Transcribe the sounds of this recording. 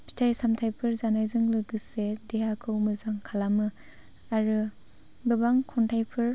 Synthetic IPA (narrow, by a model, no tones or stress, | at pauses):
pʰi̥tʰajsamtʰajpʰɯɾzanajzɯŋlɯɡɯsedeɦakʰɯwmɯzaŋkʰalamɯ | aɾɯ | bɯbaŋkʰɔntʰajpʰɯɾ